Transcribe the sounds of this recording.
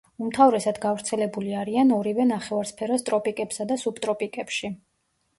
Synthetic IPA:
umt̪ʰavɾɛsad̪ɡavɾt̪sʰɛlɛbuliaɾianɔɾivɛnaχɛvaɾspʰɛɾɔst̪ʼɾɔpʼikʼɛpsad̪asubt̪ʼɾɔpʼikʼɛpʃi

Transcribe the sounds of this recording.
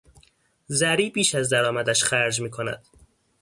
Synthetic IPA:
zæɾiːbiːʃæzd̪æɾɒːmæd̪æʃxæɾd͡ʒmiːkʰo̞næ̰d̪̥

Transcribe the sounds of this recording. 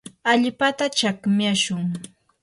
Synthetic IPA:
aʎpat̪at͡ʃakmjaʃʊŋ

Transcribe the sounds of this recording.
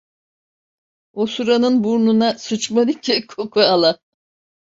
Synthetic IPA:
osuɾanɯnbuɾnunasut͡ʃmanikɛkʰokʰualˠa

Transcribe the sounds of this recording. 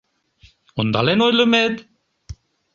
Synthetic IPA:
ond̪ɑlenojləmet̪

